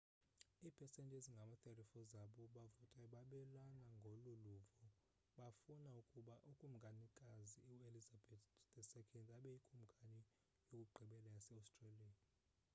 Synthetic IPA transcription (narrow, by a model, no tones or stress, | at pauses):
iːpʰɛsɛntʼeziŋɡʱamatʰʼɛrifɔzaɓɔɓavɔtʼaiɓaɓɛlanaŋɡʱɔloluvɔ | ɓafunaukʼuɓaʔukʼum̩ɡʱanikʼaziuelizabɛtdɛsɛkʰɛndʱʼaɓɛjikʼum̩ɡʱani | jokʼuɡ͡ǃʱiɓɛlajasɛawstʼraliai